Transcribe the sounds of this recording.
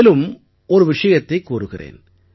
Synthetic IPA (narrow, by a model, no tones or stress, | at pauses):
lɯm | ɔɾɯʋɪʂɐjɐt̪ːɐɪkːuːɾɯɣɪrḛːn